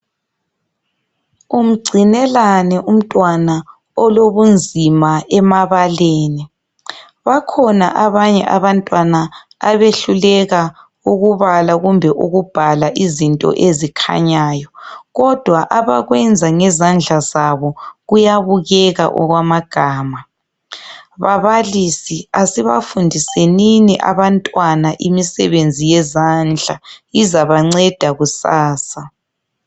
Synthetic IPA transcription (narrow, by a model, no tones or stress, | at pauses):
um̩ɡ͡ǀʱinɛlanɛʔum̩tʼwana | ɔloβund͡zʱimaɛmaβaleːni | βakʰɔna̰ʔaβaɲɛ̰ʔaβantʼwanaː | βeɬulɛɣa | uɣuβalaɣumbʱɛʔuɣub̥ʱalaʔizintʼɔ̰ʔezikʰa̰ɲaːjɔɣɔd̥ʱwaʔaβaɣwɛnd͡zʱaŋɛzand͡ɮʱazaβɔɣujaβuɣɛɣa̰ʔɔ̰ɣwamaɡ̥ʱaːma | βaβalisiasiβafundʱiseniniʔa̰βantʼwanaʔimisɛ̰βend͡zʱijɛzand͡ɮʱaizaβaŋ͡ǀɛd̥ʱaɣusaːsa